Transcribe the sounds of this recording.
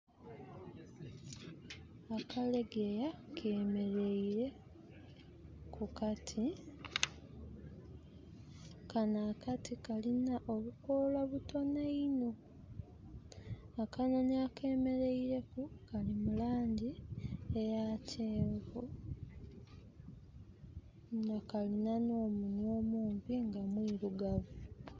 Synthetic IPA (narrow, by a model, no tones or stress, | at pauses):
akale̞ɡejakʰeːme̞ɾe̞iɾe̞ | kukatʰi | kanaːkatʰikalinaʔo̞βukoːlwaβuto̞naino̞ | akano̞niake̞ːme̞ɾe̞iɾe̞kukalimulaːɲɟiejacʰeːɱvu | ŋakalinano̞ːmuɲo̞ːmuːmpiŋɡamwiːɾuɡavu